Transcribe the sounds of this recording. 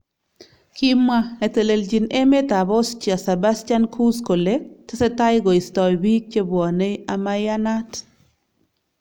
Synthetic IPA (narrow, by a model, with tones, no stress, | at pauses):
ki˦ma˦ne˨te˨le˨ld͡ʒi˨ne˦me˦t̪a˨bɔ˦st͡ʃi˨a˨se˨ba˦stja˦nkʰu˦sko˨le˦te˦se˦ta˦jɡɔ˨i˨stɔ˨jbi˦k̚t͡ʃe˦bwɔ˨ne˦ja˨ma˦ja˦na˦t